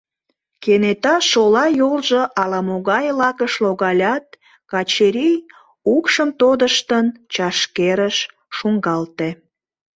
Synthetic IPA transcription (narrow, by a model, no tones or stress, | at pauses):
kenet̪ɑʃolɑjolʒəʔɑlɑmoɣɑjlɑkəʃloɣɑlʲɑt̪̚ | kɑt͡ɕeɾij | ukʃəmt̪od̪əʃt̪ənt͡ɕɑʃkeɾəʃ | ʃuŋɡɑlt̪e